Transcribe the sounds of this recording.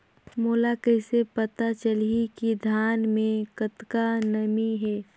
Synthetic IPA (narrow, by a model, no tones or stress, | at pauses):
moːlakɛːsepət̪at͡ʃəlikid̪ʱaːnmẽkət̪kanəmiɦɛː